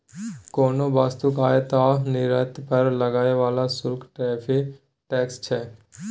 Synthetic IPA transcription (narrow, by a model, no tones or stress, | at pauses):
koːnoːbaːst̪ukaːjet̪aːnɪɾət̪pəɾləɡaːeʋaːlasʊlkʈɛːpʰe | ʈɛːkst͡ʃʰɛː